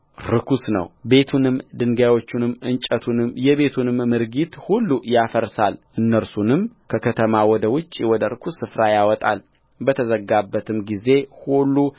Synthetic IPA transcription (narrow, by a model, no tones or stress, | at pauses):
ɾɨkʰusnə̰wbe̞t̪ʰunɨmd̪ɨŋɡawo̞t͡ʃːunɨmːɨnt͡ʃʼət̪ʰunɨmjɛβe̞t̪ʰunɨmːɨɾɡit̪hulːujafəɾsalʔɨnːəɾsunɨmkʰəkʰət̪ʰəmawɔd̪əwʊt͡ʃʼːiwɔd̪əɾɨkʰusːɨfɾajawɔt̪ʼa̰l | bət̪ʰəzəɡːabːət̪ʰɨmɡize̞hulːu